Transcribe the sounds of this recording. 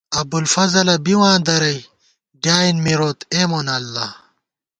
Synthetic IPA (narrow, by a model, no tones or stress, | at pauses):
ɐbulfɐzɐlɐbiwãːd̪ɐɾɐj | ɖjaːinmiɾoːt̪eːmonɐlːa